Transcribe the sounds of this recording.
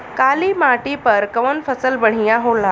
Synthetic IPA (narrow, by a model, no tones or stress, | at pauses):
kaliːmaʈipəɾkəʋənfəsəlbəɳ̤ijaɦola